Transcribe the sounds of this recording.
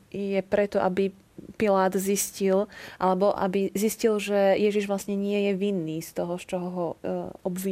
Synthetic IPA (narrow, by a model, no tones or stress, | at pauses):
jɛpɾɛt̪ɔʔabi | pilaːd̪ziscilʔalɛbɔʔa̰biziscilʒɛjɛʒiʒʋlasɲɛɲɪɛjɛʋinːiːst̪ɔɦɔst͡ʃɔɦɔɦɔɔbʋi